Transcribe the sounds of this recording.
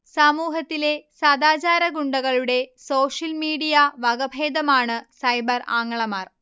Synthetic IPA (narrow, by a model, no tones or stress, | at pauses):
sɐmuːɦɐt̪ːile̞sɐd̪aːt͡ɕaːɾɐɡuɳɖɐɣɐɭuɽe̞so̞ːʂɐlmiːɽijɐʋɐɡɐbʱeːd̪ɐmaːɳɨsɐjbɐraːŋːɐɭɐmaːr